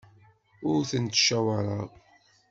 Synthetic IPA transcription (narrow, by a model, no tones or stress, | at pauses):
ʊɾθənt̪ʃæwɑɾˤɑ